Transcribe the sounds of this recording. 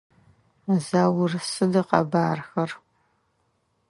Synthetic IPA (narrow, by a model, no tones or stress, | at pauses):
zaːwʊrɨsɨdɐqɐ̰baːrxɐr